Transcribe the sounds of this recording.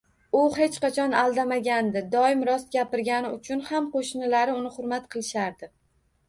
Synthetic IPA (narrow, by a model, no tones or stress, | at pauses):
ʊhe̞t͡ʃqɑt͡ʃʰɒnalˠd̪amaɡʲand̪ɪd̪ɒɪmɾɒst̪̚ɡʲapɪɾɡʲanɪʊt͡ʃʰʊnhamqʰoʃnɪlaɾɪʊnɪχʊɾmat̪qʰɨlˠɪʃaɾd̪ɪ